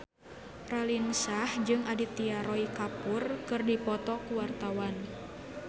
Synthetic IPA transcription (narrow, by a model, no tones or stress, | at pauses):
ralinsahd͡ʒɨŋʔadit̪iaɾɔikapurkɨrdipɔt̪ɔkuwart̪awan